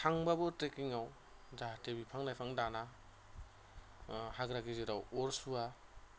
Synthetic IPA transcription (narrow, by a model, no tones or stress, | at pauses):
tʰaŋbabɔtekiŋaw | datebipʰaŋnajpʰaŋdana | haɡɾaɡiziɾawɔɾsua